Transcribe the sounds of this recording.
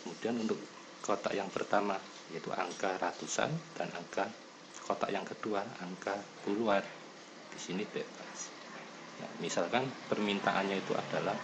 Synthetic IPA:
kəmud̥ianunt̪ʊkː | ot̪a̰ʔjaŋpərt̪ama | jait̪ṵʔa̰ŋkarat̪usa̰nd̥anaŋka | kʰot̪aʔjaŋkəduaaŋkabuluar | d̥isinib̥eb̥as | na̰misalkanpərmint̪a̰ʔanɲait̪uʔa̰d̥alah

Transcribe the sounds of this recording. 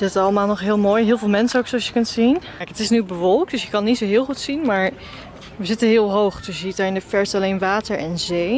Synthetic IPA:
dɪtɑləmaːlˠnɔχɦɪːlˠmoːjɦɪːlˠvɪːlˠmɛnsəowksoɑsjəkɵntsin | ɛjkətɪsnybəʋɔlˠk̚d̥ɵsjəkɑnːitsowɦɪːlˠχutsinmaːɹ | ʋəzɪtənɦɪːlˠɦowχdʏsitaːɹɪndəfɛɹstɑlejnʋaːtəɹʔɛnzej

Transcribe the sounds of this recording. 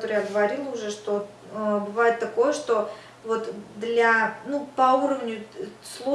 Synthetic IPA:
t̪oɾɨjaɡəvɐɾʲilˠəʊʐɛʂt̪o̞ | əbɨvajɪt̪ːɐko̞jəʂt̪o̞ | vo̞t̪d̪lʲanupɐuɾəvnʲʊ | slˠo

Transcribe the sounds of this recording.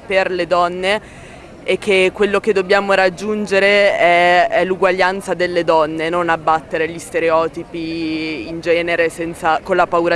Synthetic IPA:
perled̪ɔnːeː | kːekwelːok̟ed̪ːobːjaːmoɾad͡ʒːund͡ʒeɾeɛɛluɡwaʎːant̪sad̪elːed̪ɔnːenonabːat̪ːeɾeʎist̪eɾeɔːt̪ipiind͡ʒɛːneɾesɛnt̪sakonlapauːɾa

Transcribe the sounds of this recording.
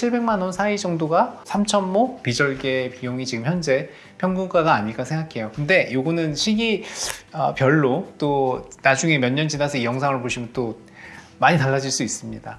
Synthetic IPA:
t͡ɕʰiɭbe̞ŋmanonsʰaid͡ʑʌŋdoɡasʰamt͡ɕʰʌmːopid͡ʑʌɭɡe̞pijoŋit͡ɕiɡɯmçjʌnd͡ʑe̞ | pʰjʌnɡuk͈aɡaːɲiɭk͈asʰe̞ŋɡakʰe̞jokɯnde̞joɡunɯnɕʰiɡiʌpjʌɭːot͈onad͡ʑuŋe̞mjʌɲːʌnd͡ʑinasʰʌijʌŋsʰaŋɯɭpoɕʰimjʌnt͈o | maɲitaɭːad͡ʑiɭs͈uis͈ɯmɲida

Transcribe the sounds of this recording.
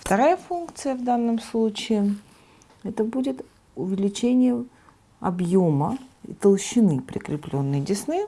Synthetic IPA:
ft̪ɐɾajəfunkt̪sɨjəvd̪anːəmslˠut͡ɕɪː | ɛt̪əbudʲɪt̪ | ʊvʲɪlʲɪt͡ɕenʲɪjə | ɐ̰bjoməḭt̪əlˠɕːɪnɨpɾʲɪkɾʲɪplʲonːɨjdʲɪsnɨ

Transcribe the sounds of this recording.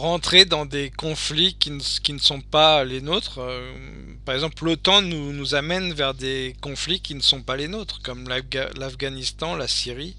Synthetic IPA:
ʁɑ̃t̪χed̪ɑ̃d̪ekɔ̃flikʲinkʲinəsɔ̃palenot̪χ | paʁɛɡzɑ̃plot̪ɑ̃nunuzamɛnvɛʁd̪ekɔ̃flikʲinəsɔ̃palenot̪χkɔmlaalafɡanist̪ɑ̃lasiʁi

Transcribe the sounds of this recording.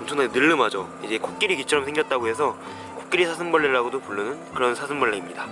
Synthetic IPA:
ʌmt͡ɕʰoŋnanɯɭːɯmad͡ʑoid͡ʑe̞kok͈iɾikit͡ɕʰʌɾʌmsʰe̞ŋɡjʌt̚t͈aɡoɦe̞sʰʌ | ko̥k͈iɾisʰas̬ʰɯmbʌɭːeɾaɡodopuɭːɯnɯnkɯɾʌnsʰasʰɯmbʌɭːeimɲida

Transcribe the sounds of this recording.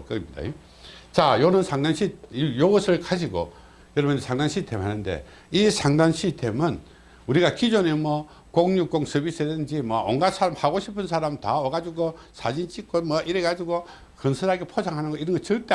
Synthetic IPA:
k͈ʌimɲid̥a̰jo | t͡ɕajonɯnsʰaŋdanɕʰitjoɡʌsʰɯɭkʰaɕʰiɡo̰ | jʌɾʌβunsʰaŋdanɕʰitʰe̞mɦanɯnde̞̰ | isʰaŋdanɕʰitʰe̞mɯn | uɾiɡakid͡ʑone̞mwʌ | koŋɲuk͈̚oŋsʰʌbisʰɯeedɯnd͡ʑimʌoŋɡasʰaɾamhaɡoɕʰipʰɯns̬ʰaɾamtaʌɡad͡ʑuɡo | sʰad͡ʑint͡ɕ͈ik͈omwʌʔiɾeɡad͡ʑuɡo | kɯnsʰɯɾaɡepʰosʰaŋɦanɯnɡʌiɾʌnɡʌt͡ɕʌɭt͈e

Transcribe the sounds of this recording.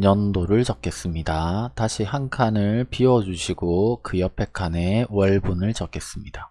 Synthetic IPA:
ɲʌndoɾɯɭt͡ɕʌk͈e̞s͈ɯmɲidataɕʰihaŋkʰanɯɭpiʌd͡ʑuɕʰiɡokɯjʌpʰe̞kʰane̞wʌɭbunɯɭt͡ɕʌk͈e̞s͈ɯmɲida

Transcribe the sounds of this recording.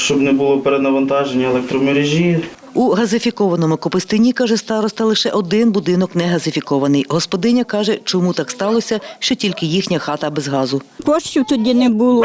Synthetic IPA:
ʃt͡ʃɔbnɛbʊlˠɔpeɾenɐʋɐnt̪ɑʒenʲːɐelˠɛk̚t̪ɾɔmeɾeʒʲi | uɦɐzɪfʲikɔʋɐnɔmʊkɔpɪst̪ɪnʲikɑʒɛst̪ɑɾɔst̪ɐlˠɪʃɛʔɔd̪ɪnbʊd̪ɪnɔknɛɦɐzɪfʲikɔʋɐnɪjɦɔspɔd̪ɪnʲɐkɑʒɛt͡ʃɔmut̪ɑkst̪ɑlˠɔsʲɐʃt͡ʃɔtʲilʲkɪjixnʲɐxɑt̪ɐbɛzɦɑzʊkɔʃt͡ʃʲiwt̪ʊdʲinɛbʊlˠɔ

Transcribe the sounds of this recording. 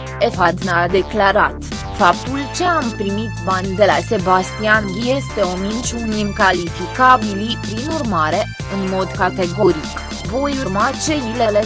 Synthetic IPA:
efad̪nad̪e̞klaɾat̪ | fap̚t̪ult͡ʃe̞ampɾimit̪banʲd̪e̞lase̞bast̪ianje̞st̪e̞omint͡ʃunimkalifikabilipɾinurmaɾe̞ | ɨnmo̞d̪kat̪e̞ɡo̞ɾik | vo̞jurmat͡ʃe̞ilele

